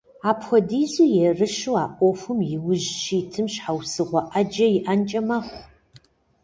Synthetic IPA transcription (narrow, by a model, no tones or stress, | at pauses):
aːpxʷɔdiːzujɛrɨʃuaːʔʷʼɔfʷʊmjɪwʊʑʃiːtʰɨmɕħawsɨʁʷɔʔɐd͡ʒɐjɪʔant͡ʃʼɐmɐχʷ